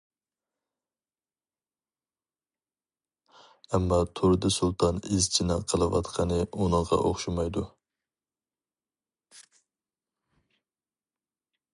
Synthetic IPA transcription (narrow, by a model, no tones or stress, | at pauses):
ɛmːɑt̪ʰoɾɨd̪ɨsulˠt̪ʰɑnɪzt͡ʃʰinɑqʰəlˠɨwɑ̰t̪qʰɑnɨunɨŋʁɑ̰ʔoχʃumɑjd̪u